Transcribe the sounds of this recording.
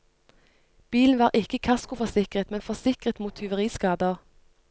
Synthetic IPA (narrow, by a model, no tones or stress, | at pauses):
b̥iːln̩ʋɑːʁʔɪkəkʰɑskʊfɔsɪkʁət̪mɛnfɔsɪkʁət̪muːt̪ʰːʏʋəʁiːskɑːd̪əʁ